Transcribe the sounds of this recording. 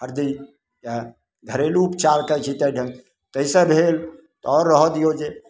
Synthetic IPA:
ɦəɾd̪i | ja | ɡ̪ʱəɾeluːpt͡ʃalkət͡ʃʰit̪əɖʱən | t̪əisə̃bʱel | t̪ɔɔɾːəɦəd̪ijod͡ʒe

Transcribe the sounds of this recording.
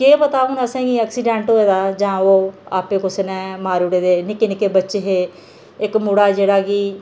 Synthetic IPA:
keːpət̪aːõːnd̪aːsẽːɡiɛːksiɖɛ̃ːʈoːeːd̪aːd͡ʒãːoːaːpẽːkʊsenɛ̃ːmaːɾuɽeːd̪eːnɪkːeːnɪkeːbətːʃeːɦeː | ɪkmuɽaːd͡ʒeːɽaːɡiː

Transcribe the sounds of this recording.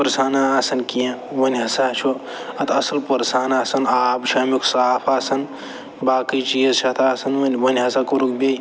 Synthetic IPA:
pɐɾsaːnaːsɐnkijãʋɐnʲɦɐsat͡ʃʰo | ɐt̪ʰɐsɐlpɐɾsaːnaːsɐnaːbt͡ʃʰaːmiksaːfaːsɐn | baːkəjt͡ʃiːɐzt͡ʃʰɐt̪ʰaːsɐnʋɐnʲʋɐnʲɦɐsakɐɾuk̚bʲɐj

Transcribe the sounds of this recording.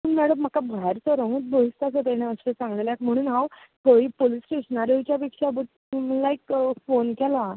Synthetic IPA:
uɳmɛɽəm̤ːakabʱajaɾt͡sɔɾə̃ɦũːt̪̚bʱoɦist̪asət̪ɛɽ̃ẽəset͡sãŋɡlljakm̤əɽ̃ũːnɦaw | t̪ʰoipolisʈeɕənaɾjot͡ɕjap̬ekʂabuʈ̚ | məlaikfonkɛla

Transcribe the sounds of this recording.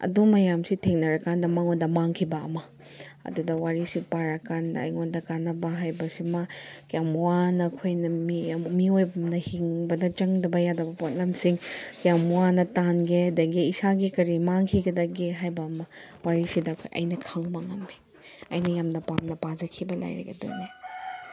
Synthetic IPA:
ɐ̰dumɐjamsitʰeŋnɐɾɐkandɐmaŋondɐmaŋkʰibɐɐ̰mɐ | ɐ̰dudɐwaɾisipaɾɐkandɐɐ̰jŋondɐkanɐbɐɦajbɐsimakjamwanɐkʰojnɐmimiojbmnɐhiŋbɐdɐt͡ʃɐŋdɐbɐjadɐbɐpot̚lemsiŋkijamwanɐtanɡeɐdɐɡiːsaɡikɐɾimaŋkʰiɡɐdɐɡeɦajbɐːmɐwaɾisidɐkʰo̰jʔɐ̰jnɐkʰaŋmaŋɐmi | ɐ̰jnɐjamnɐpamnɐpad͡ʒɐkʰibɐla̰jɾḛɡḛdo̰jni

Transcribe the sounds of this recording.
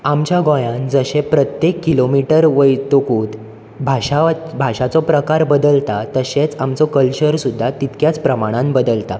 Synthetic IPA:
amt͡ɕjaɡõjãnd͡zəɕẽpɾət̪jekːilomiʈəɾʋəjt̪okuːt̪ | bʱaɕabʱaɕat͡sɔpɾəkaɾbəd̪əlt̪at̪əɕẽt͡samt͡sɔkəlɕəɾsud̪ʱːat̪it̪kjat͡spɾəmaɽ̃ãnbəd̪əlt̪a

